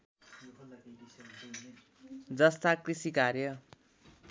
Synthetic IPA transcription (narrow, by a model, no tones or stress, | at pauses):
d͡zʌst̪akrisikarjʌ